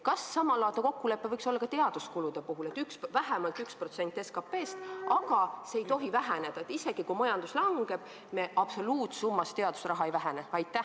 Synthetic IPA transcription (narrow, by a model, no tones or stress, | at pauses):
kɑsːɑmɑlɑːt̪ɑko̞kːule̞pːevɤjkso̞lːɑkɑt̪e̞ɑd̪̥uskulud̪̥e̞puɦulet̪ːˑyksvæɦæmɑlt̪ykspro̞t̪se̞nʲt̪ːˑeskɑpːe̞ːst̪ɑɡɑseejt̪o̞ɦivæɦæne̞d̪ɑet̪ise̞ɡ̥ikumɑjɑnd̪̥uslɑŋɡ̥e̞b̥ | me̞ʔɑb̥so̞luːt̪sumːɑst̪e̞ɑd̪̥u̥srɑɦɑejvæɦæneɑjt̪ːˑæh